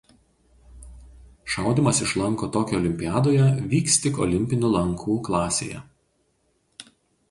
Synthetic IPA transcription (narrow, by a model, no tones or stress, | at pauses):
ʃɑˑʊd̪ʲimɐsɪʃlˠɐŋˑkoːt̪oːkʲɛɔlʲɪmʲpʲɪjæːd̪oːjɛʋʲiːksʲt̪ʲɪkɔ̰lʲɪmʲpʲɪnʲʊlˠɐŋkʰuːklˠɑːsʲḛːjɛ̰